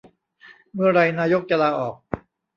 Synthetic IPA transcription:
mɯ˥˩ɐɾa˧jnaː˦˥jo˦˥k̚t͡ɕa˧laː˧ʔɔː˨˩k̚

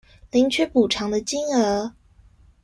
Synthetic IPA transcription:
li˧˥ŋt͡ɕʰɥɛ˥pu˨˩ʈ͡ʂʰɑ˧˥ŋd̪ə˧t͡ɕi˥ŋə˧˥

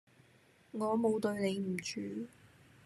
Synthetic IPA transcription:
ŋɔː˨˧mo˨˧wt̪ɵ˧ɥne˨˧jm̩˨˩t͡ʃyː˨˧˥

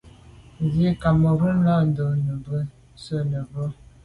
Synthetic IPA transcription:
zi˦ka˨mə˨ɾu˦m˦la˦˨n˨də˨nə˨bə˦ | sə˦˨nə˨bə˦

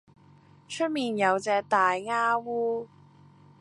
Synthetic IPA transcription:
t͡ʃʰɵ˥t̚miː˨njɐ˨˧wt͡sɛː˧k̚t̪aː˨jŋaː˥wuː˥

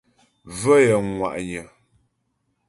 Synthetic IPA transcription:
və˦jə˨ŋwa̰˨ʔɲə˨

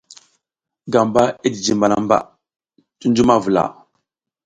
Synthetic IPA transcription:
ɡa˨mba˦i˦di˨d͡ʒi˨mba˨la̰˦mba̰˦˨ | tu˦nd͡ʒu˦ma˦vu˨la̰˨

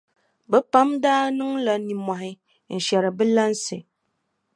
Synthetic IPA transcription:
bə˦pa˦mdaː˦nɨ˦ŋ˦la˨˦ni˨mʷ˨a˨hi˦ | n̩˨ʃjɛ˨ɾə˨bə˦la˦n̩˦se˨

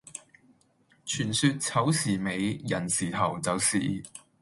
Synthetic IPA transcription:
t͡ʃʰyː˨˩nsyː˧t̚t͡sʰɐ˨˥wsiː˨˩me˨˧jjɐ˨˩nsiː˨˩t̪ʰɐ˨˩wt͡sɐ˨wsḭː˨˩

